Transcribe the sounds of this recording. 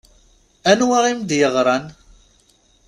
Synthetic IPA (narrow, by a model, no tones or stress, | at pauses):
ænwaʁimd̪jəʁɾˤɑn